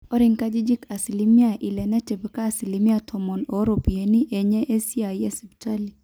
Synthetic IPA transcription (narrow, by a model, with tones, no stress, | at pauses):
ɔ˦ɾɪ˦ŋka˦d͡ʒi˦d͡ʒi˦ka˨si˨li˦mi˦a˦˨ʔi˨lɛ˨na˦tɛ˨pɛ˨kaː˦˨si˨li˨mi˦a˦tʰɔ˨mɔ˨no˨˦ɾo˨pi˨e˨˦ni˦ʔe˨ɲɛ˦ʔe˦si˦a˨jɛ˦sɛ˨pta˦li˨